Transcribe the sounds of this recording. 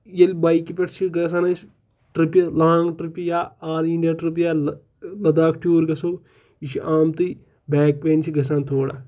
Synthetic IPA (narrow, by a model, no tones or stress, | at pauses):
jɐlbaːikipeʈʰt͡ʃʰiɡɐs̬anɐs | ʈɾipʲlaːŋɡʈɾipʲijaːaːɾiɳɖijaːʈɾip̬ijaː | lɐd̪aːkʈʲuːɾɡɐsoː | iʃiʔaːmt̪ɨ | bɛːk̚peːnt͡ʃʰiɡɐs̬aːnt̪ʰoːɽa̰